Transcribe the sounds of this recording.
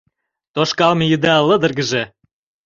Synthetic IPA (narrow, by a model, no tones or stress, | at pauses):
t̪oʃkɑlmejəd̪ɑləd̪ə̆rɣə̆ʒe